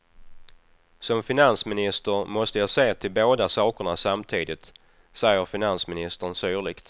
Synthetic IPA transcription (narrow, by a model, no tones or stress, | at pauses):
sɔmfɪnansmɪnɪst̪əɾmɔst̪əjɑseːt̪ʰɪlboːd̪asɑːkəɳasamt̪ʰiːd̪ɪt̪ | sɛjːəɾfɪnansmɪnɪst̪ənsyːɭɪkt̪